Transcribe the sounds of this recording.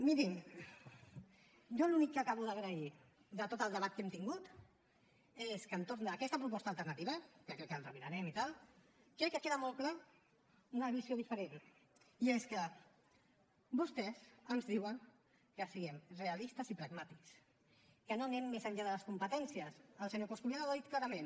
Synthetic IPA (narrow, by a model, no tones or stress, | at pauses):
miɾim | ʒɔlunikːəkaβuðəɣɾəi | d̪ət̪ot̪əlˠd̪əβat̪̚kemt̪iŋɡut̪ | eskənt̪oɾnd̪əkɛst̪əpɾupɔst̪alˠt̪ərnat̪iβəkəkɾɛkːənrəβiɾaɾɛmit̪alˠ | kɾɛkːəkeðəmɔlˠkla | unəβizioðifəɾen | ieskə | bust̪ɛsənzðiwəŋ | kəsiɣɛmrealist̪əsipɾəɡmat̪iks | kənonemːezəɲʎaðələskumpət̪ɛnsiəsəlˠsəɲokoskulanaðaðit̪̚klaɾɐmẽn